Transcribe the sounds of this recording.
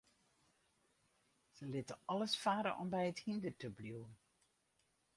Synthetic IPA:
z̥əlɪtəʔɑləsfaːɾə̰ʔɔmbɛjəthindərtəbluwən

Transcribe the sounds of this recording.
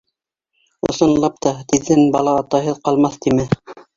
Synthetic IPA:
ŏ̰sɤ̆nlˠɑp̚t̪ɑt̪iðːɘnbɑlˠɑːt̪ɑjɦɤðqɑlˠmɑθt̪imɘ

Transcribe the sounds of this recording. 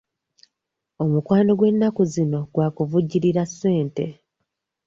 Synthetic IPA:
o̞mukwaːno̞ɡwe̞nːakuzino̞ɡwaːkuvuɟːiɾiɾasːe̞ːnte̞

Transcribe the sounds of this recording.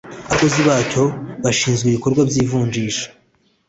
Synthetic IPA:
aako̞ziβaːco̞βaʃiːnzɡweiβiko̞ɾɡwabɟiːvuːɲd͡ʒiːʃḁ

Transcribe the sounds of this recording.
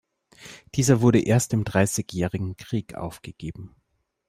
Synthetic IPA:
d̥iːzɐvʊɐɾəʔeːɐstɪmdʁaɪsɪçjɛːʁɪɡŋ̩kʁ̥iːkʰʔa̰ʊfɡ̥əɡ̥eːbm̩

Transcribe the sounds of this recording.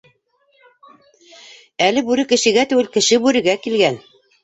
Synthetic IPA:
ælɘbʉɾɘkɘ̆ʃɘ̆ɡæt̪ʉwɘlkɘ̆ʃɘbʉɾɘ̆ɡækilɡæn

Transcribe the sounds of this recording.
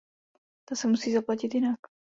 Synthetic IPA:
t̪asɛmusiːzaplacɪt̪jɪnak

